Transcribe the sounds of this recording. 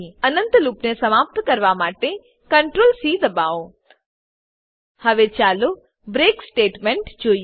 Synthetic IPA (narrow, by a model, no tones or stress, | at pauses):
ɐnə̃nt̪luːpnesɐmaːp̚t̪kɐɾʋamaːʈe | kɐɳʈɾoːlsiːd̪ɐbaːo | hɐʋet͡ʃaːlo | bɾeːksʈeːʈmẽɳʈd͡ʒoː